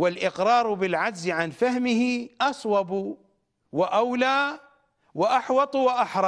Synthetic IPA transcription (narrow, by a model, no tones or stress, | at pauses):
wɪlʔɪqɾˤɑːɾˤbɪlʕad͡ʒzʕanfahmɪhɪʔɑsˤwɑbu | wɪʔawlaː | wɪʔaħwɑt̪ˤwɪʔaħɾˤɑ